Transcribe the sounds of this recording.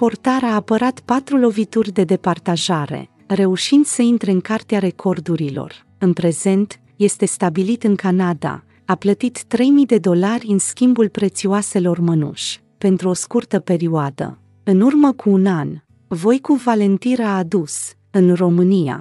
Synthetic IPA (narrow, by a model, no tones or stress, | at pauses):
po̞rt̪aɾaːpəɾat̪pat̪ɾulo̞vit̪urʲd̪e̞d̪e̞part̪aʒaɾḛ | re̞uʃind̪̥səint̪ɾe̞ɨŋkart̪eaɾe̞kʰo̞rd̪uɾilo̞̰r | ɨnpɾe̞ze̞nt̪ | je̞st̪e̞st̪abilit̪ɨŋkanad̪a̰ | aplət̪it̪ːɾe̞jmid̪e̞d̪o̞larʲɨnskʲimbulpɾe̞t̪sioase̞lo̞rmənṵʃʲ | pe̞nt̪ɾuo̞skurt̪əpe̞ɾioad̪ə̰ | ɨnurməkʰuːnan | vo̞jkuvale̞nt̪iɾaːd̪us | ɨnro̞mɨnija̰